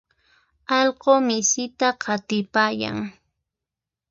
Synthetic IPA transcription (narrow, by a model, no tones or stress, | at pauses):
ɑlɢomɪsɪt̪aqʰɑt̪ɪpaːja̰ŋ